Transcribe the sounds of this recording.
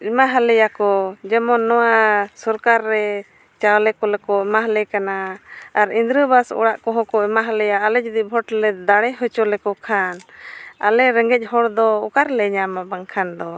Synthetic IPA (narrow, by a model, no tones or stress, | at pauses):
imaɦalɛjakɔd͡ʒɛmɔnːɔwasɔɾkaɾːɛ | t͡ʃawlɛkɔlɛkɔimaɦlɛkanaːɾind̪ɾəbasɔ̰ɽaʔkɔɦɔ̃kɔimaɦalɛjaːlɛd͡ʒud̪ibʱɔʈlɛd̪aɽɛɦɔt͡ʃɔlɛkɔkʰanalɛɾɛŋɡɛc̚ˀhɔɽd̪ɔɔkaɾlɛɲamabaŋkʰand̪ɔ